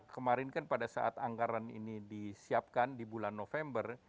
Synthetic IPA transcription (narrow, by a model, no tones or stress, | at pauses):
kəmaɾɪnkanpadasa̰ʔa̰t̪aŋɡaɾanḭnidisiap̚kandibulanːofɛmbər